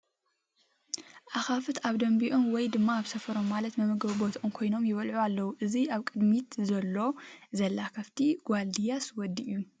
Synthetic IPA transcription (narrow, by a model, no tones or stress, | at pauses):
ʔaxafɨt̪ʰaβd̪ɐmbiʔonwɔjd̪ɨmːaːβsɐfɐɾo̞mːalɐt̪mɐmɨɡɐβbot̪ʰʔomkʰo̞jno̞mjɪβɐlʕualːɐwuʔɨziaβkʼɨd̪mit̪zɐlːo̞zɐlːakʰɐft̪ʰiɡ̥ʷald̪ijaswɔd̪iʔju